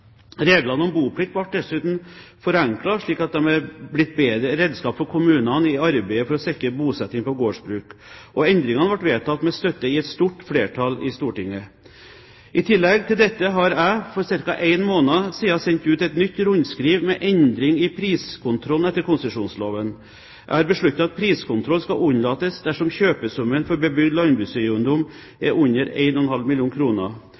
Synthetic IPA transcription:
ɾeːɡlɑnəɔmbuːpʰlɪk̚t̪ʋɑʈ̚d̪ɛsʉːt̪n̩fɔɾɛŋklɑʂɭiːkɑt̪̚d̪ɛmɛblɪt̪̚ːbeːd̪ɾəɾeːd̪skɑːpfɔɾkʰʊmʉːnɑnɪɑɾbæɪəfɔɾɔsɛkəbuːsɛt̪ːɪŋpɔɡoːʂbɾʉːkʔɔɛnd̪ɾɪŋɑnəʋɑʈːʋeːt̪ʰɑt̪ːmɛst̪œt̪ːəɪɛt̪st̪uːʈfleːʈʰɑlɪst̪uːʈɪŋːə | ʔɪt̪ʰɪlːɛɡt̪ɪld̪ɛt̪ːəɦɑɾæɪfɔɾsɪɾkɑʔæɪnmoːnɑsiːɑsɛnt̪ʉːt̪ɛt̪nʏt̪ːɾʊnskɾiːʋmɛʔɛnd̪ɾɪŋɪpʰɾiːskʰʊnt̪ʰɾɔlnɛt̪ːəɾkʰʊnsəʂuːnsloːʋən | ʔæ̰ɪhɑɾbəʂɭʉt̪ːɑt̪ɑt̪̚pʰɾiːskʊnt̪ʰɾɔlskɑʊnlɑːt̪əsd̪æʂɔmçøːpəsʊmənfɔɾbəbʏɡd̪lɑnbɾʉːsœʉnd̪ʊm | ɛɾʔʉnːəɾæ̰ɪnɔɔɛnhɑlmɪljuːnkʰɾuːnə̰

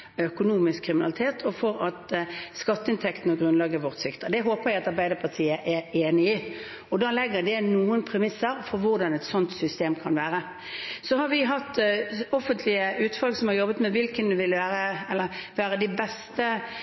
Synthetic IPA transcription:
œkʊnuːmɪskʰːɾɪmɪnɑlɪt̪ʰeːt̪ʰɔfɔɾɑt̪skɑt̪ːəɪnt̪ʰɛkt̪n̩ɔɡɾʉnlɑːɡəʋɔʁt̪sɪkt̪əd̪ɛɦoːpəʁæɪɑt̪ɑɾbæɪd̪əɾpʰɑt̪ʰiːəʔɛɾeːnɪɪ | ɔd̪ɑːlɛɡːəd̪ɛnuːənpʰɾɛmɪsəɾfɔɾʋʊɾd̪ɑnɛt̪sɔnt̪sʏst̪eːmkʰɑnʋæːɾə | sɔhɑɾʋɪɦɑt̪ːɔfənt̪ʰlɪəʉːt̪fɑlɡsɔmhɑɾjɔbːət̪mɛʋɪlkənd̪ɛʋɪlʋæːɾəɛlːəʋæːɾəd̪ɪbɛst̪ə

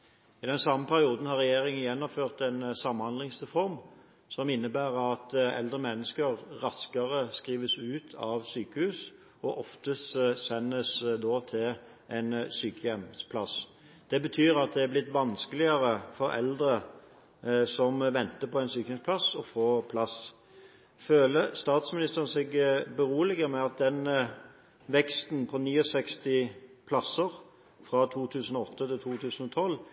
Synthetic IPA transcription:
ɪd̪ɛnsɑmːəpʰæɾɪuːd̪n̩hɑɾɛjeːɾɪŋənjɛnːɔmføːʁt̪ɛnsɑmːhɑnd̪lɪŋsʁɛfɔɾm | sɔmɪnːəbæːʁɑt̪ɛ̰ld̪ʁəmɛnːəskəɾɾɑskəɾəskʁiːʋəsʉːt̪ʰɑʋsyːkəhʉːs | ɔʔɔft̪əsɛnːəsd̪ɔːt̪ʰɪl | ʔɛɪnsyːkəjɛmspʰlɑs | d̪̥ɛbət̪ʰyːɾɑt̪̚d̪ɛæblɪt̪ːʋɑnskəlɪəɾəfɔɾɛ̰ld̪ɾə | sɔmʋɛnt̪əpʰɔæɪnsyːkəjɛmspʰlɑsɔfoːpʰlɑs | føːləst̪ɑːt̪smɪnɪst̪əʁən̩sɛɡbəʁuːlɪɡəmɛɑt̪̚d̪ɛn | ʋɛkst̪npʰɔniːɔsɛkst̪ɪpʰlɑsəʁ | fʁɑt̪ʰuːt̪ʰʉːsənɔɔt̪ːət̪ɪlt̪ʰuːt̪ʰʉːsən̩ɔt̪ʰɔl

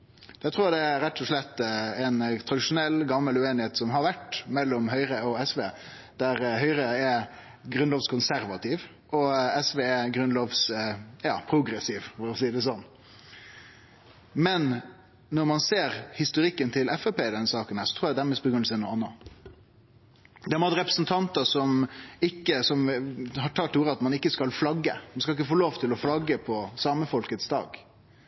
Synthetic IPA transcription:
d̪̥ɛɪt̪ʰɾuːd̪ɛæɾɛt̪ʰːɔʂlɛt̪ːɛnt̪ʰɾɑd̪ɪʂʊnɛlːɡɑmːəlʉeːnɪheːt̪sɔmɦɑɾʋæʈmɛlːɔmɦœʏɾəɔɛsʋeː | d̪̥æɾhœʏɾəɛ | ɡɾʉnloːʋskʰʊnsæɾʋɑt̪ʰiːʋ | ɔɛsʋeːɛɡɾʉnloːʋsjɑːpʰɾʊɡɾɛsiːʋfɔɾɔsiːd̪ɛs̬ɔnː | mɛn | nɔɾmɑnseːɾhɪst̪ʊɾɪkːənt̪ʰɪlʔɛfɛpeːd̪ɛnːəsɑːkənhæːɾʂɔt̪ʰɾuːjæd̪æmɛs̚bɔɡɾʉnəsənuːɑnːɑ | d̪ɛmɑt̪ɾɛpɾəsnt̪ʰɑnt̪əsɔmɪkːəsɔmhɑʈʰɑːt̪uːɾəɑt̪mɑnɪkːəskɑlflɑɡːə̰mɑnskɑlɪk̬ːəfoːloːʋt̪ʰɪlɔflɑɡːəpʰɔsɑːməfɔlkət̪sd̪ɑ̰ːɡ

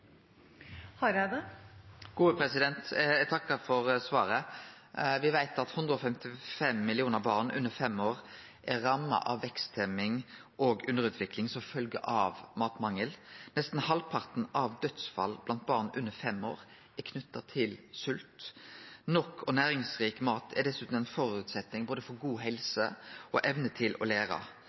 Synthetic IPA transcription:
hɑɾæd̪ɛ | ɡ̥uːəpʰɾɛsɪd̪ɛnt̪ɛt̪ʰɑkːəfɔʁsʋɑːɾə | ʋɪʋæɪt̪ɑt̪hʉnd̪ɾəɔfɛmt̪ɪfɛmːɪlɪuːnəʁbɑːʁnʉ̰nːəʁfɛmoːʁ | ʔæɾɑmːɑ̰ʔɑʋːɛkst̪ʰɛmɪŋ | ʔoːɡʉnd̪əʁʉːt̪ʰʋɪklɪŋsɔmfœlɡə̰ʔɑʋmɑːt̪mɑŋːəlnɛst̪n̩hɑlpʰɑʁt̪n̩ɑʋd̪œt̪sfɑ̰lblɑnt̪̚bɑːʁnʉnːəfɛmoːɾ | ɛkʰnʉt̪ːɑt̪ʰɪlsʉlt̪ | nɔkʰːɔnæːɾɪŋsʁiːkmɑːt̪ʰɛd̪ɛsːʉːt̪n̩æɪnfɔɾʉːt̪sɛt̪nɪŋboːd̪əfɔɾɡuːɦɛlsəʔɔʔɛʋnət̪ʰɪlʔɔ̰leːɾɑ̰

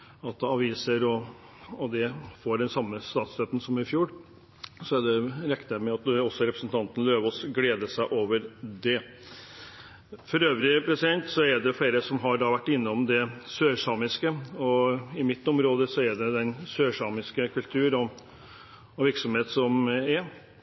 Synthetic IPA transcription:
ɑt̪ɛɑʋiːsəɾɔ | ɔd̪ɛfoːɖɛnsɑmːəst̪ɑːt̪st̪œt̪n̩sɔmɪfjuːɾ | sɔɛɖɛɾɛknəmɛɑt̪ɔsːɔɾɛpɾəsn̩t̪ʰɑnt̪ən̩løːʋɔsɡleːd̪əsæɪʔoːʋəɾd̪ɛ | fɔɾøːʋɾɪpʰɾɛsɪd̪ɛnt̪sɔɛɖɛfleːɾəsɔmɦɑɾɖɑːʋæʈːɪnːəɔmd̪ɛsøːʂɑːmɪskəɔɪmɪt̪ːɔmɾoːd̪əsɔɛɖɛd̪ɛnsøːʂɑːmɪskəkʰʉlt̪ʰʉːɾɔ | ɔʋɪɾksɔmheːt̪sɔmɛ

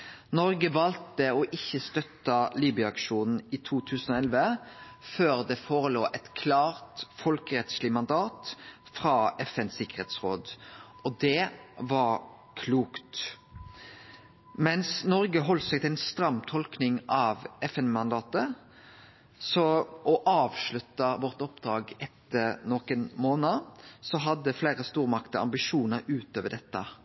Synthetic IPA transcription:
nɔɾɡəʋɑlt̪əɔʔɪçːəst̪œt̪ːɑliːbʏəɑkʃuːnn̩it̪ʰuːt̪ʰʉːsn̩ɔɛlʋə | føːɾd̪ɛfoːʁəloːʔɛt̪kʰlɑːʁt̪fɔlkəʁɛt̪slɪmɑnd̪ɑːt̪ | fʁɑːɛfɛnsɪkəʁḛːt̪sʁoːd̪ | ɔd̪ɛʋɑɾ | kʰluːkt̪ | mɛnsnɔɾɡəɦɔlsɛɡt̪ʰɪlæɪnst̪ɾɑmt̪ʰɔlknɪŋɑʋɛfɛnmɑnd̪ɑːt̪ə | sɔʔɔʔɑːʋʂɭʉt̪ːəʋɔʁt̪ɔpd̪̥ɾɑːɡɛt̪ʰːəɾnɔkənmoːnəsɔɦɑd̪ːəfleːʁəst̪uːʁmɑkt̪ɔɑ̰mbɪʂuːnəɾʉːt̪øːʋəɖ̪ɛt̪ːə

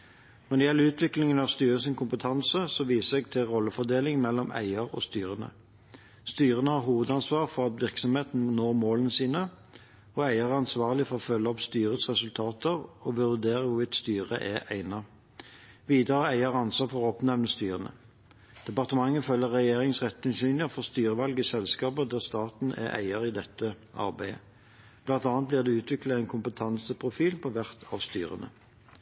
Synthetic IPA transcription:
nɔʁd̪ɛjɛləʉːt̪ʰʋɪklɪŋənɑʋst̪yːʁəsɪnkʰʊmpət̪ʰɑnsəsɔʋiːsəɛɡt̪ʰɪʁɔlːəfɔd̪eːlɪŋmɛlːɔmʔæ̰ɪəʁɔ̰st̪yːʁənə̰ | st̪yːʁənəhɑʁɦuːʋəd̪ɑnsʋɑːʁfɔʁɑt̪ʋɪʁksɔmheːt̪n̩noːʁmoːlənəsiːnə | ɔæɪəʁɑnsʋɑːʁlɪfɔʁɔfœlːəɔpst̪yːʁəsʁɛsʉlt̪ʰɑːt̪əʁɔbəʋʉd̪eːʁəʋʊʋɪt̪st̪yːʁə̰ʔæʔæɪnɑ | ʋiːd̪ɑʁəæɪəʁɑnsɑt̪fɔʁɔpnɛʋnəst̪yːʁənə̰ | d̪̥ɛpɑʁt̪əmɑŋːəfœlːəʁːɛjeːʁɪŋsʁɛt̪ːɪnsyːnlɪəfɔʁst̪yːʁəʋɑlɡɪsɛlskɑːpəd̪æːʁst̪ɑːt̪n̩æ̰ʔæ̰ɪəʁid̪ɛt̪ʰːə | ʔɑ̰ʁbæɪə̰ | b̥lɑnt̪ɑːnt̪̚bliːʁd̪ɛʉːt̪ʰʋɪklɑæɪnkʰʊmpət̪ʰɑnsəpʰʁʊfiːlpʰɔʋæʁt̪ʰɑʋst̪y̰ːʁə̰nə̰

